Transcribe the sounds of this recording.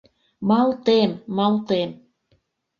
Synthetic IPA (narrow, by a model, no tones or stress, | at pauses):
mɑlt̪emːɑlt̪em